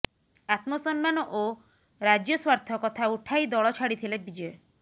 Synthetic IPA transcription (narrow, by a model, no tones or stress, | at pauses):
at̪mosɔnmanoʔo | ɾad͡ʒjoswaɾt̪ʰɔkɔt̪ʰauʈʰajd̪ɔɭɔt͡ʃʰaɽit̪ʰilebid͡ʒɔe